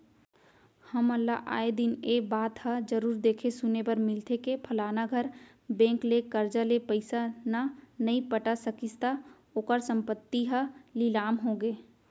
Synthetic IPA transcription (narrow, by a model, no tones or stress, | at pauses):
hɐməlːaʔa̰ːed̪ɪneːbaːt̪həd͡ʒəɾuːɾd̪eːkʰesʊnepɐɾmɪlt̪ʰekepʰɐlaːnaɡʱɐɾ | bɛ̃ːŋklekəɾd͡ʒalepəɪsananɐɦĩpəʈasəkɪst̪a | oːkəɾsə̃mpət̪ːiɦɐlɪlaːmɦoɡeː